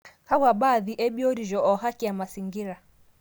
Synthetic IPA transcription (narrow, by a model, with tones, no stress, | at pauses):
ha˦wa˨ɓaðiʔɛ˦ɓi˦ɔ˦ɾiʒɔ˨ʔɔɦa˦ki˨a˨ma˨siŋɡiɾa